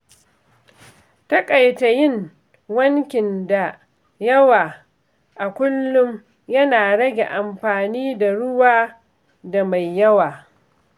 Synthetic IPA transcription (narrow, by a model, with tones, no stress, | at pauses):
tɐ˦kʼa˨jta˨jɪ˦˨ŋ | wɐ˦ŋkʲɪ˨nda˨ | jɐ˦waː˨ | ʔa˨kʷʊ˦lːʊ˦m | jɐ˦naː˨ɽɐ˦ɡʲḛ˨ʔa˨mɸaː˨niː˦da˨ɽʊ˦waː˦ | da˨ma˨jːɐ˦waː˨